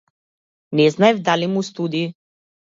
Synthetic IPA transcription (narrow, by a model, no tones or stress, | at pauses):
nɛznaɛvd̪alimust̪ud̪iː